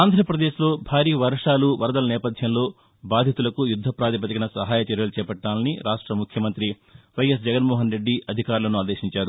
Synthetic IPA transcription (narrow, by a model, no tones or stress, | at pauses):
aːnd̪ʱɾɐpɾɐd̪eːʃlo̞ːbʱaːɾiːʋɐɾʂaːluʋɐɾɐd̪ɐlɐnɛːpɐd̪ʱjɐmlo̞ː | baːd̪ʱjɐt̪ulɐkujud̪ʱːɐpɾaːd̪ipɐt̪ikɐnɐsɐɦaːjɐt͡ʃɐɾjɐlut͡ʃɛːpɐʈːaːlɐniɾaːʂʈɾɐmukʰjɐmɐnt̪ɾi | ʋɐjɐs̬d͡ʒɛɡɐnmɔːɦɐnɾe̞ɖːiɐd̪ʱikaːɾulɐnuaːd̪eːʃiɲt͡ʃaːɾu